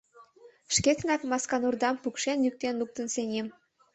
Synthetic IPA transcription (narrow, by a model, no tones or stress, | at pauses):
ʃkeknɑkmɑskɑnurd̪ɑmpukʃenlyk̚t̪enluk̚t̪ənsenʲem